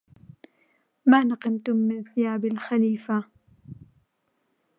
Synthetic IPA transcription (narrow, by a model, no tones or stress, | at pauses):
maːnɑqɪmt̪ʊmːɪnθɪjaːbɪlxaliːfa